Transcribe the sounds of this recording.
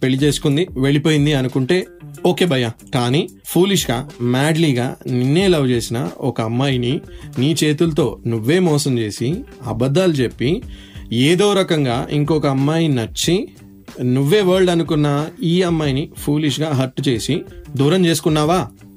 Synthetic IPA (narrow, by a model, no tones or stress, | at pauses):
pe̞ɭːit͡ʃe̞ːsu̥kund̪iʋe̞ɭipoːjind̪iɐnukuɳʈe̞ːo̞ːke̞ːbʱɐjakaːniː | pʰuːliʂɡaːmaːɖliːɡa̰ːninːeːlɐwt͡ʃe̞ːsinɐ̰ɔkɐɐmːaːjininiːt͡ʃeːt̪ulɐt̪o̞ːnuʋːe̞ːmɔːsɐmt͡ʃe̞ːsiɐbɐd̪ːaːlut͡ʃe̞pːi | eːd̪o̞ːɾɐkɐŋɡaːʔḭŋkokɐːmːaːjinɐt͡ʃːi | nuʋːe̞ːʋɐːɾɭɖɐnukunːɐiːɐmːaːjinipʰuːliʂ̬ɡaːɦɐʈːut͡ʃe̞ːsid̪uːɾɐmt͡ʃe̞ːs̬u̥kunːaːʋaː